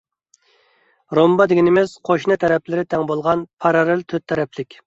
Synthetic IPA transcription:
ɾombɑd̪ɪɡʲinemɛsqʰoʃnɨt̪ʰɛɾɛplɪɾɪt̪ʰɛŋbolˠʁɑnpʰɑɾɑɾɪlt̪ʰøt̪ʰːɛɾɛpʰlɪkʲ

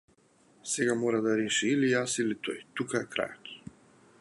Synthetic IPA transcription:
sɛɡamɔɾad̪aɾɛʃiːlijasilit̪ɔ̰jt̪ukaɛkɾa̰jat̪i̥

